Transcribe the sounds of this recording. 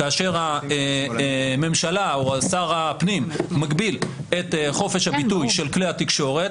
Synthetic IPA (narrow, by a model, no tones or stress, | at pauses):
kaːʃe̞ʁa | me̞mʃalaoasaʁapnimːaɡbilet̪χo̞fe̞ʃhabit̪ujʃe̞lklehat̪ikʃo̞ʁe̞t